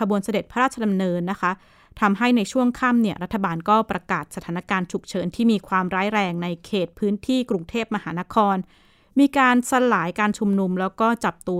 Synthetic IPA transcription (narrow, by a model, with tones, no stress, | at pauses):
a˧bu˧ənsa˧de˨˩t̪̚pʰa˦ɾaː˥˩t͡ɕʰa˧da˧mnɤː˧nːa˦˥kʰa˦˥ | t̪ʰa˧mɦa˥˩jna˧jt͡ɕʰu˥˩əŋkʰa˥˩mni˥˩ɐɾa˦˥t̪ʰːa˧baː˧nkɔː˥˩pɾa˧kaː˨˩t̪̚sa˧t̪ʰaː˩˦na˥kaː˧nt͡ɕʰu˨˩k̚t͡ɕʰɤː˩˦nt̪ʰiː˥˩miː˧kʰwaː˧mɾaː˦˥jɾɛː˧ŋna˧jkʰeː˨˩t̪̚pʰɯː˦˥nt̪ʰiː˥˩kɾu˧ŋt̪ʰeː˥˩p̚ma˧haː˩˦na˦˥kʰɔː˧n | miː˧kaː˧nsa˧laː˩˦jkaː˧nt͡ɕʰu˧mnu˧mlɛː˦˥wkɔː˥˩t͡ɕa˨˩p̚t̪u˧